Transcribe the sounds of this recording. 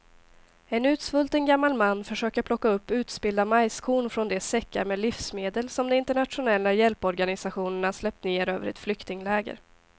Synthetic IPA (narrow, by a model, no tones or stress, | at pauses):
ɛnʉ̟ːt̪svɵlt̪ənɡamːalmanːfœʂøːkəɾpʰlɔkːaɵpːʉ̟ːt̪sbɪld̪amajskʰuːɳfɾɔnd̪ɛsɛkːa̰ɾmɛːlɪfsmeːd̪əlsɔmd̪ɛmɪnt̪əɳat̪ɧʊnɛlːajɛlpɔɾɡanɪsaɧuːnəɳaʂlɛp̚t̪neːɾø̰ːvə̰ɾɛ̰t̪flʏkt̪ɪŋlɛːɡə̰ɾ